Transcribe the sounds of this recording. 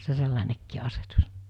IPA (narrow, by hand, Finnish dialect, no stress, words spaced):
se selːɑnekːiː ɑsetus